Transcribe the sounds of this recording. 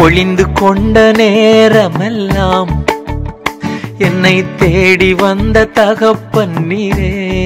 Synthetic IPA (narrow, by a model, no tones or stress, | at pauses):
ɔɭɪnd̪ɯkɔɳɖɐneːɾɐmɛlːaːm | ɛnːɐɪt̪ːeːɽiʋɐnd̪ɐt̪ɐɣɐpːɐɳːiɾeː